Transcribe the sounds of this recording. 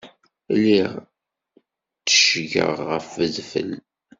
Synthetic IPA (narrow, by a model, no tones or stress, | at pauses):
liʁ | t͡sːə̥ʃʝə̰ʁːəfəðfə̰l